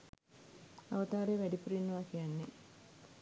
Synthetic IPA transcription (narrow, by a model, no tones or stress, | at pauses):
ɐʋɐt̪aːɾeʋæɖiprinːuʋaːkijanːe